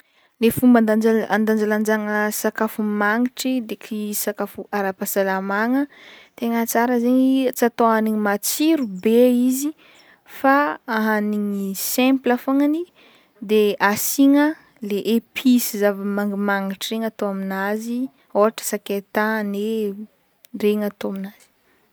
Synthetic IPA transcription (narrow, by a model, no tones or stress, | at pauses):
lefumband̪aaand̪and͡ʒaland͡ʒaŋsakafumaŋiʈ͡ʂid̪ekʰisakafuaɾapasalamaŋət̪eŋət͡saɾəzeɲit͡sat̪oɦaniɲimat͡siɾubeizi | faaɦaniŋisɛ̃mplafoŋani | d̪easiŋə | leʔepʰisizavəmaŋɡimaŋiʈ͡ʂireŋat̪oaminazi | oɦaʈ͡ʂə̥saket̪ane | reŋat̪oaminaz̥i̥